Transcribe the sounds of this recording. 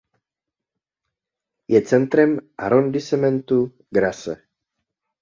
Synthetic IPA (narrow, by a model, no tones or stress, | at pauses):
jɛt͡sɛnt̪ɾɛma̰ɾond̪isɛmɛnt̪u | ɡɾasɛ̰